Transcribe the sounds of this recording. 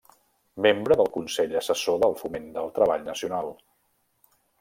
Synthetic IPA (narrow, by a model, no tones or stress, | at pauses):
membɾəðəlˠkunsɛʎəsəsoðəlˠfumend̪əlˠt̪ɾəβ̞aʎnəsiunalˠ